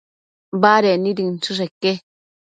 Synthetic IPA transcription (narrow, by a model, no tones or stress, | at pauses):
baːɾeniɾint͡ʃuʂ̬ekːe